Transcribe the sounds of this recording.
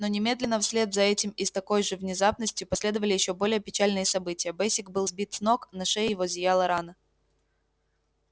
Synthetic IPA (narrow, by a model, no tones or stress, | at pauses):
no̞nʲɪmʲe̞d̪lʲɪnːəfsʲlʲe̞t̪zɐɛtʲɪmɪst̪ɐko̞jʐɨvnʲɪzapnəsʲtʲjʊpɐsʲlʲe̞d̪əvəlʲɪjɪɕːo̞bo̞lʲɪjəpʲɪt͡ɕalʲnɨjəsɐbɨtʲɪjəbɛsʲɪk̚bɨlˠzbʲit̪sno̞knɐʂɛjjɪvo̞zʲɪjalˠəɾanə